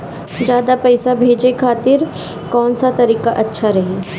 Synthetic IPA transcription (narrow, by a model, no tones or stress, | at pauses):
d͡ʒjaːd̪apɛːsabʱeːd͡ʒekʰaːt̪ɪɾ | kɔːnsat̪ɐɾiːkaʔɐtːʃʰaɾɐɦeː